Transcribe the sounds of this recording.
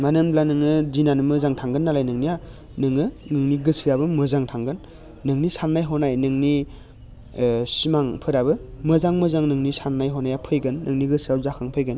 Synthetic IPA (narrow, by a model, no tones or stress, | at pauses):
manɯmblanɯŋɯzinanɯmɯzaŋtʰaŋɡɯnːalajnɯŋnija | nɯŋɯnɯŋniɡɯsiabɯmɯzaŋtʰaŋɡɯnː | ɯŋnisannajɦɔnajnɯŋni | simaŋpʰɯɾabɯmɯzaŋmɯzaŋnɯŋnisannajɦɔnajapʰɯjɡɯnːɯŋniɡɯsiawzakʰaŋpʰɯjɡɯn